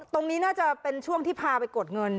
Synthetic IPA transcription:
t̪o˧ŋniː˦˥naː˥˩t͡ɕa˨˩pe˧nt͡ɕʰu˥˩əŋt̪ʰiː˥˩pʰaː˧pa˧jko˨˩t̪̚ŋɤ˧n

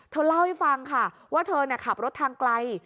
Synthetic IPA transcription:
t̪ʰɤː˧la˥˩wha˥˩jfa˧ŋkʰa˥˩ | waː˥˩t̪ʰɤː˧ni˥˩ɐkʰa˨˩p̚ɾo˦˥t̪ʰːaː˧ŋkla˧j

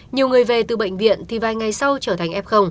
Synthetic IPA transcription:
ɲi˨˩əwŋɨ˨˩əjve˨˩t̪ɨ˨˩ɓə̰˧˨ŋ̟vḭ˧˨ənt̪ʰi˨˩vaː˨˩jŋa˨˩jsa˧wt͡ɕəː˧t̪ʰa˨˩jŋ̟ʔɛ˦˥p̚xə˧wŋ͡m

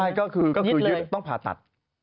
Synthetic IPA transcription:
a˥˧˩jkɔː˥˩kʰɯː˧kɔː˥˩kɯː˧lə˦˥˧t̪t̪ɔ˥˩ŋpʰaː˨˩t̪a̰˨˩t̪̚

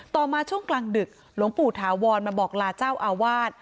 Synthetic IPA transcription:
t̪ɔː˨˩maː˧t͡ɕʰu˥˩əŋklaː˧ŋdɯ˨˩k̚ | lo˩˦ŋpuː˨˩t̪ʰaː˩˦wɔː˧nmaː˧bɔː˨˩k̚laː˧t͡ɕaː˥˩wʔaː˧waː˥˩t̪̚

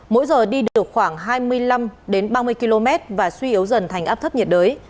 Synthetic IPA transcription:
mo̰˧˥jzəː˨˩ɗi˧ɗɨ˨˩ək̚xwaː˧˩ŋɦaː˧jmɨ˧əjla˧mɗe˨˦nɓaː˧mɨ˧əjki˧lo˧mɛ˦˥t̚vaː˨˩swi˧ʔi˨˦əwzə˨˩nt̪ʰɛ˨˩ŋ̟ʔaː˦˥p̚t̪ʰp̚ɲi˨˩t̚ɗəː˨˦j

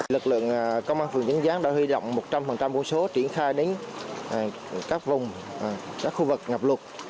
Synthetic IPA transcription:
lɨ˨˩k̚lɨ̰˧˨əŋkə˧wŋ͡mʔaː˧nfɨ˨˩ŋt͡ɕə˨˦ŋzaː˨˦nɗa̰ː˧˥hwi˧zo̰˧˨wŋ͡mmo˨˩t̚t͡ɕa˧mfə˨˩ŋt͡ɕa˧mku˧so˨˦t͡ɕi˧˩ənxaː˧jɗe˨˦n˨˩ | kaː˦˥k̚vʊ˨˩ŋ͡mkaː˦˥k̚xu˧vɨ˨˩k̚ŋa˨˩p̚lʊ˨˩t̚

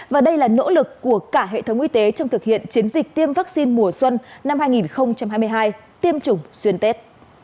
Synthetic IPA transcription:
vaː˨˩ɗə˧jlaː˨˩no̰˧˥lɨ˨˩kːu˧˩əkaː˧˩ɦḛ˧˨t̪ʰə˨˦wŋ͡mʔi˧t̪e˨˦t͡ɕɔ˧wŋ͡mt̪ʰɨ˨˩k̚hḭ˧˨ənt͡ɕi˨˦nzï˨˩k̚t̪i˧əmva˦˥k̚si˧nmu˨˩əswə˧nna˧mhaː˧jŋi˨˩nxə˧wŋ͡mt͡ɕa˧mɦaː˧jmɨ˧ə˧jɦaː˧j | t̪i˧əmt͡ɕʊ˨˩ŋ͡mswi˧ənt̪e˦˥t̚

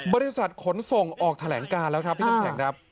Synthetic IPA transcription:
bɔː˧ɾi˦˥sa˨˩t̪̚kʰo˩˦nso˨˩ŋʔɔː˨˩k̚t̪ʰa˧lɛː˩˦ŋkaː˧nlɛː˦˥wkʰɾa˦˥pʰːɛː˨˩˦ŋkʰɾa˦˥p̚

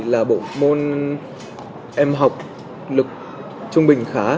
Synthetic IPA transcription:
laː˨˩ɓo̰˧˨mo˧n | ʔɛ˧mɦa˨˩wk͡p̚ | lɨ˨˩k̚ | t͡ɕʊ˧ŋ͡mɓï˨˩ŋ̟xaː˨˦

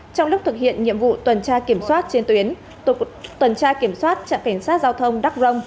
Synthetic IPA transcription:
t͡ɕɔ˧wŋ͡mlʊ˦˥k͡p̚t̪ɨ˨˩k̚hḭ˧˨ənɲḭ˧˨əmvṵ˧˨t̪wə˨˩nt͡ɕaː˧ki˧˩əmswaː˦˥t̚t͡ɕe˧nt̪wi˨˦ən | t̪wə˨˩nt͡ɕaː˧ki˧˩əmswaː˦˥t̚t͡ɕa̰ː˧˨ŋka˧˩jŋ̟saː˦˥t̚zaː˧wt̪ʰə˧wŋ͡mɗa˦˥k̚zə˧wŋ͡m

